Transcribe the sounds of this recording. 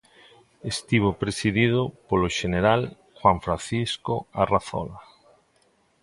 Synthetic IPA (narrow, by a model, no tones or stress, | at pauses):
est̪iβ̞opɾesiðið̞ʊpoloʃeneɾal | xwaɱfɾanθiskoaraθɔ̰la